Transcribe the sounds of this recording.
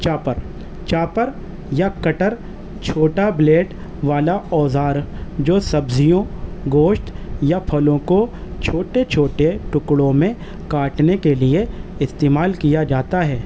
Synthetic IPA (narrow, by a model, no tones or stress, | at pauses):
t͡ʃaːpəɾ | t͡ʃaːpəɾ | jakɐʈəɾ | t͡ʃʰoːʈableːʈ | ʋaːlaɔːzaːɾd͡ʒoːsɐbzijõɡoːʃʈjapʰɐlõkot͡ʃʰoːʈet͡ʃʰoːʈeʈʊkɽõmẽ | kaːʈnekelieɪst̪eːmaːlkijad͡ʒaːt̪aɦɛː